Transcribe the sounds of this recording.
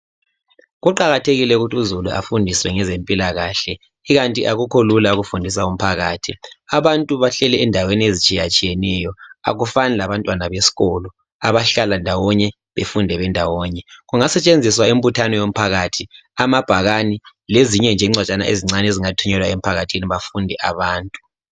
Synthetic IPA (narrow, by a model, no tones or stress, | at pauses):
ɣuǃaɣatʰeɣilɛuɣutʰuzulua̰fundʱiswɛŋɛzempʼilaɣaːɬɛ | iɣantʼiʔaɣukʰolulauɣufundʱis̬aum̩pʰaɣaːtʰiaβantʼuβaɬɛlɛːndʱaweniezit͡ʃʼijat͡ʃʼijɛnɛjɔa̰ɣufanɛlaβantʼwanaβesi̥ɣɔlɔ | aβaɬalandʱawɔɲɛ | βefundʱɛβɛndʱawɔːɲɛɣuŋasɛt͡ʃʼend͡zʱiswaim̩βutʰanɔjom̩pʰaɣatʰi | amab̥ʱaɣanileziɲɛnd͡ʒʱɛiŋ͡ǀwat͡ʃʼana̰ʔeziŋ͡ǀaneziŋatʰuɲɛlwaem̩pʰaɣatʰiniβafundʱɛʔaβaːntʼu